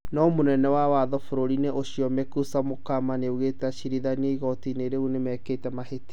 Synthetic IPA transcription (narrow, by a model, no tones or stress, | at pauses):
nɔmonɛnɛwawaðɔfoɾoɾineʔoɕiɔmekusamokamaneuɣetaɕiɾiðanieiɣɔtineɾeunemɛketɛmaheti̥